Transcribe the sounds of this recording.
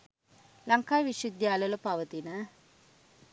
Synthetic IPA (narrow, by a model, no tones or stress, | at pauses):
laŋkaːjʋiʃud̪jaːlələpaʋət̪inə